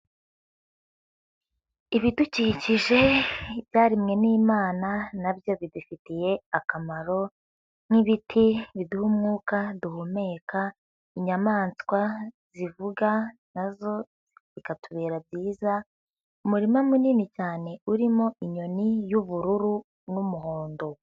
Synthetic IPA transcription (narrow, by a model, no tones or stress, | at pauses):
iβiduciciʒe̞ibjaːɾimŋe̞niːmaːnanabjo̞βidufitije̞akamaɾo̞ | n̥iβitʰiβiduhumŋuːkaduhume̞kʰa | iɲamaːnskwaz̥ivuɡa | nazo̞ | zikatuβeːɾabɟiːza | umuɾimamuniːnit͡ʃaːne̞uɾimo̞ʔiɲo̞nijuβuɾuɾu | numuɦoːndo